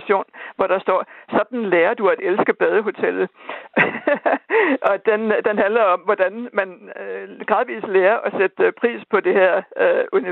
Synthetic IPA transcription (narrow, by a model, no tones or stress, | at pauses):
ɕo̝̰ːnʋɒɾ̥ɑ̈sd̥ɒ̰ːsɒ̽d̥n̩leːɐd̥uæd̥elsɡ̥əb̥ɛðˠəɦo̝t͡sʰel̰ð̩ | ɒ̽d̥end̥enɦænlɐɒ̽mʋɒd̥ænmæn | ɡ̥ʁɑ̈ðˠʋḭːsleːɐʔɒ̽sed̥pʰʁḭːspʰɒ̽d̥e̝heɐ̰øuni